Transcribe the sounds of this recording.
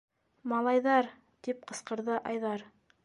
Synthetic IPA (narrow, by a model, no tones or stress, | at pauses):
mɑlˠɑjðɑɾ | t̪ip̚qɤ̆sqɤ̆ɾðɤʔɑjðɑɾ